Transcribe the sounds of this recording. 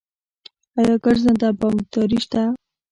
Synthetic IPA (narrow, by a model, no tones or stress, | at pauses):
ajɑɡaɾzand̪abɑmd̪ɑɾiʃt̪a